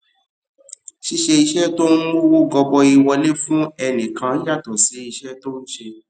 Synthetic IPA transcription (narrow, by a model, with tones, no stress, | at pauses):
ʃi˧˦ʃe˧i˧ʃɛ˦to˦n̩˦wo˦wo˦˨ɡɔ˧bɔ˧i˧wɔ˧le˦fũ˦ɛ˧nĩ˨kã˨˧˦ja˦˨tɔ˨si˨˦i˧ʃɛ˦to˦ñ̩˦ʃe˧